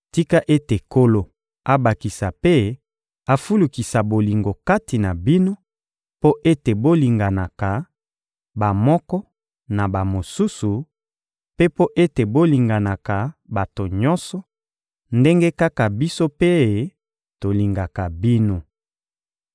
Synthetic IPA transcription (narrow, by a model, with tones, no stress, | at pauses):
ti˦ka˦ʔe˦te˨ko˦lo˨ | a˦ba˨ki˨sa˨pe˦ | a˨fu˦lu˨ki˨sa˨bo˨li˨ŋɡo˨ka˦ti˨na˨bi˦no˦ | po˦ʔe˦te˨bo˦li˨ŋɡa˨na˨ka˨ | ba˨mɔ˦kɔ˦ | na˨ba˨mo˨su˦su˨ | pe˦po˦ʔe˦te˨bo˦li˨ŋɡa˨na˨ka˨ba˨to˨ɲɔ˦nsɔ˨ | nde˦ŋɡe˦ka˦ka˨bi˦so˦pe˦˨ | to˨li˨ŋɡa˨ka˨bi˦no˦